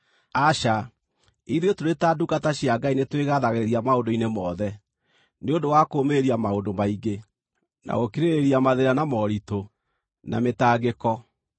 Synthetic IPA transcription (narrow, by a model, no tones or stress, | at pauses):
aɕa | iðetoɾetadukataɕiaɡainetweɣaðaɣeɾeɾiamaondoinemɔːðɛ | neondowakomeeɾiamaodomaiɡe | na̰ɣokeɾeɾeɾiamaðeɾanamɔɾito | na̰metaːɡekɔ